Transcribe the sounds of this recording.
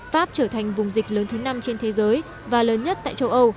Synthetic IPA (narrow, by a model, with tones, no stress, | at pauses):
faː˦˥p̚t͡ɕəː˧˩t̪ʰa˨˩jŋ̟vʊ˨˩ŋ͡mzï˨˩k̟̚ləː˨˦nt̪ʰɨ˨˦na˧mt͡ɕe˧nt̪ʰe˨˦zəː˨˦j | vaː˨˩ləː˨˦nɲə˦˥t̚t̪a̰ː˧˨jt͡ɕə˧wʔə˧w